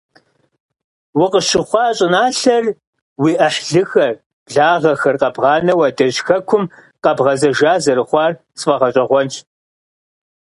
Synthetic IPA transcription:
wʊqəʃɪχʷɑːɕʼɪnaːɬɐr | wiːʔɐħɮɨxɐr | bɮaːʁɐxɐrqɐbʁɑːnɐwɐdɐʑxɐkʷʰʊm | qɐbʁɐzɐʒaːzɐɾɨχʷɑːr | sfɐʁɐɕʼɐʁʷɔnt͡ʃʰ

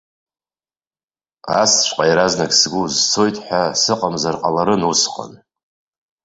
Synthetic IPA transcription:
a̰st͡ʃʷʰʼqʼajaɾaznaɡʲsɡʷuzt͡sʰo̞jtʼħʷasɨqʼamzarqʼalaɾɨnusqʼa̰n

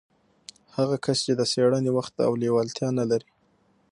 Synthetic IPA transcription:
haɣakʰast͡ʃed̪əseɽənewaxt̪a̰wlewalt̪jɑnalaɾi

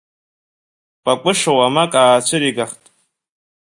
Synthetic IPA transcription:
pʼakʷʼʊʂawamakʼaːt͡ɕʷʰɨɾiɡaχtʼ

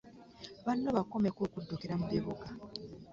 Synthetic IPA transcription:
βanːoβakomekoːkudːokeɾamuβeβoɡa

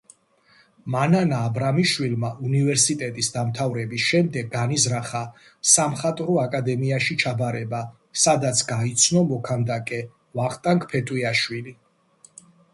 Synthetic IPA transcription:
mananaːbɾamiʃwilmaʔunivɛɾsit̪ʼɛt̪ʼisd̪amt̪ʰavɾɛbisʃɛmd̪ɛɡ̚ɡanizɾaχa | samχat̪ʼɾɔakʼad̪ɛmiaʃit͡ʃʰabaɾɛba | sad̪at̪sʰɡait̪sʰnɔmɔkʰand̪akʼɛ | vaχt̪ʼaŋkʰʼpʰɛt̪ʼwiaʃwili

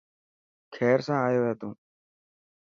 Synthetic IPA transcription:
kʰɛːɾsãːaːjoːat̪ũː

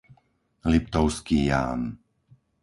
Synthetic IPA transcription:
lipt̪ɔʊskiːja̰ːm

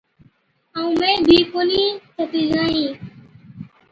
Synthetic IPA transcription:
aũːmẽːbʱiːkoːniːt̪ʰət̪iːd͡ʒaːɦĩː

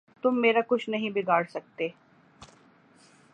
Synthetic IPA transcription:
t̪ʊmːeːɾakʊt͡ʃʰnɐɦĩbɪɡaːɽsɐk̚t̪eː

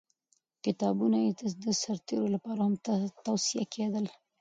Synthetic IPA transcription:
kɪt̪ɑbunajet̪ad̪əsaɾt̪eɾolapɑɾahamt̪awsija̰kʰed̪əl

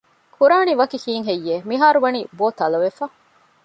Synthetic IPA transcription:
kʰuɾaːniʋɐkikiːŋɦejːeːmiɦaːɾuʋɐniːboːt̪ɐlɐʋefɐ

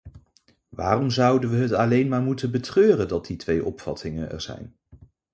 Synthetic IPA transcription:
ʋa̰ːrɔmzʌwdənʋəɦətɑlejnmaːɹmutənbətrøːrəndɑt̚ditʋejʔɔpfɑ̰tʰɪŋənɛ̰ɹz̥ɛ̰jn

